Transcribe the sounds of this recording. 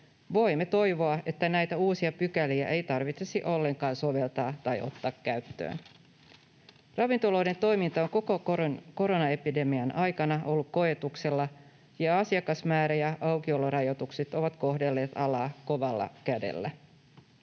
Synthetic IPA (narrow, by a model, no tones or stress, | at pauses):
ʋo̞jmːet̪o̞jʋo̞ɑe̞t̪ːænæjt̪æuːsiɑpykæliæʔe̞jt̪ɑrʋit̪sesiʔo̞lːe̞ŋkɑːnso̞ʋe̞lt̪ɑːt̪ɑjʔo̞̰t̪ːɑːkkæɥt̪ːø̰ːn | rɑʋint̪oloːde̞nt̪o̞jmint̪ɑo̞ŋkokoko̞ɾo̞nɑe̞pide̞miɑnʔɑjkɑnɑʔo̞lːukko̞e̞t̪ukse̞lːɑ | jɑɑsiɑkɑsmæːɾæjɑʔɑwkiolorɑjo̞t̪ukset̪o̞ʋɑt̪ko̞ɦde̞lːe̞ːt̪ɑlɑːko̞ʋɑlːɑ̰kæde̞̰lːæ